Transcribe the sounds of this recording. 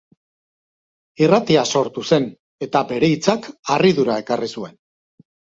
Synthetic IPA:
irat̪iaso̞ɾt̪use̞n | e̞t̪abe̞ɾe̞it͡sakariðuɾae̞karisue̞n

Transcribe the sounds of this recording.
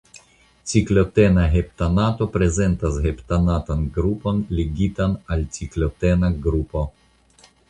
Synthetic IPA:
t͡siklot̪enaɦep̚t̪anat̪opɾezent̪asɦept̪anat̪anɡɾupo̞nleɡit̪analt͡siklot̪enaɡɾupo

